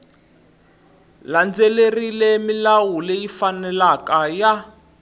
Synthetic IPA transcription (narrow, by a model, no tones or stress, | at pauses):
land͡zelerilemilawulejifanɛlakaja